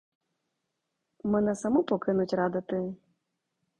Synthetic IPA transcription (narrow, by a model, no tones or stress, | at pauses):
mɨnɐsamupɔkɨnut͡sʲrad̪at̪ɨj